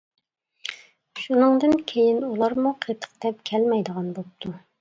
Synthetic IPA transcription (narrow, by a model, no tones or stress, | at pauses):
ʃunɨŋd̪ɨnkʲʰejinulˠɑɾmuqʰet̪ʰə̥qd̪̥ɛp̚kʲʰɛlmɛjd̪əʁɑnbop̚t̪ʰu